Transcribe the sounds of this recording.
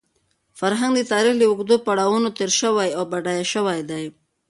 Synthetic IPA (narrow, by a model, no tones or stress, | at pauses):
faɾɦaŋɡd̪ət̪ɑɾixləʊɡd̪opaɽawunot̪eɾʃəwajawbaɖajaʃəwajd̪aj